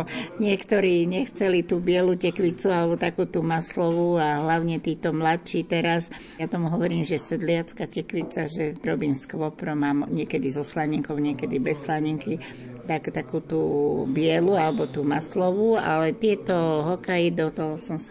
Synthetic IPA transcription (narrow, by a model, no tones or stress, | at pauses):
ɲɪɛkt̪ɔɾiːɲɛxt͡sɛlit̪uːbɪɛlucɛkʋit͡sualɛbɔt̪akuːt̪umaslɔʋuaɦlaʊɲɛt̪iːt̪ɔmlatt͡ʃiːt̪ɛɾas | jat̪ɔmuɦɔʋɔɾiːmʒɛsɛd̪lɪat͡skacɛkʋit͡saʒɛɾɔbiːmskʋɔpɾɔmaːmɲɪɛkɛd̪izɔslaɲɛŋkɔʊɲɪɛkɛd̪ibɛsːlaɲɛŋki | t̪akt̪akuːt̪ubɪɛlualɛbɔt̪uːmaslɔʋua̰lɛt̪ɪɛt̪ɔɦɔkajid̪ɔt̪ɔɦɔsɔms